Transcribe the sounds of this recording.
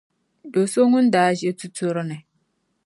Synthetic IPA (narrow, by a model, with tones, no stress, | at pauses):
do˨so˦ŋu˦n˦daː˨˦ʒe˦tu˦tu˦ɾnɛ˨